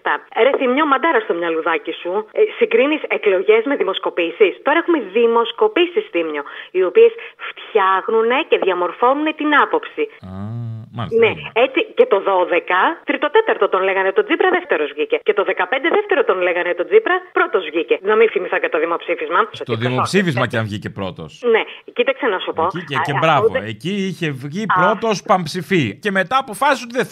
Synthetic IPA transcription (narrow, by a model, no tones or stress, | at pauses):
t̪ɐɾe̞θimɲomɐd̪ɐɾɐst̪omɲɐluðɐcisusiɡɾinise̞klo̞ʝe̞zme̞ðimo̞sko̞pisist̪o̞ɾɐexumeðimo̞sko̞pisisθimɲo̞io̞pie̞sft̪çɐxnune̞ce̞ðʝɐmo̞ɾfo̞nune̞t̪inɐpo̞psi | neet͡sice̞t̪o̞ðo̞ðe̞kɐt̪ɾit̪o̞t̪e̞t̪ɐɾt̪ot̪o̞nleɣɐnet̪o̞d͡zipɾɐðeft̪e̞ɾozvʝice̞cet̪o̞ðekɐpe̞nd̪eðeft̪e̞ɾot̪o̞nleɣɐnet̪o̞d͡zipɾɐpɾo̞t̪o̞zvʝicenɐminfimiθɐcet̪oðimo̞psifizmɐst̪oðimopsifizmɐceɐnvʝice̞pɾo̞t̪o̞̰snecit̪ɐksenɐsupo̞iecebɾɐvoe̞ciiçe̞vʝipɾo̞t̪o̞spɐmpsifice̞me̞t̪ɐːpo̞fɐsis̬ot̪iðe